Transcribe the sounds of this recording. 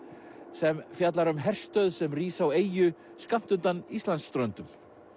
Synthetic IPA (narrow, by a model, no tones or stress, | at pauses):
sɛmfjat̪laɾʏmɦɛr̥st̪œðsɛmriːsaweːjʏ | skam̥t̪ʏnt̪anist̪lanst̪ɾœnt̪ʏm